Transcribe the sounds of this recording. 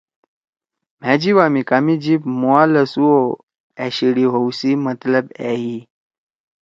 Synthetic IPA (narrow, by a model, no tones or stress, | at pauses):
m̤ad͡ʑiʋamiːkamid͡ʑiːbmoaləsuo | ɛɕiɽiɦowsiːmət̪ləbɛɦi